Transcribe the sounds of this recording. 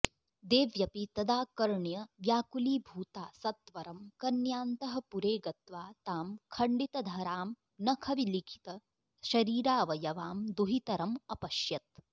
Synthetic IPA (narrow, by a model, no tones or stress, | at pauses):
d̪eːʋjɐpit̪ɐd̪aːkɐɾɳjɐʋjaːkuliːbʱuːt̪aːsɐt̪ʋɐɾɐmkɐnjaːnt̪ɐɦɐ̆puɾeːɡɐt̪ʋaːt̪aːmkʰɐɳɖit̪ɐd̪ʱɐɾaːm | nɐkʰɐʋilikʰi̥t̪ɐ | ʃɐɾiːɾaːʋɐjɐʋaːmd̪uɦit̪ɐɾɐmɐpɐʃjɐt̪̚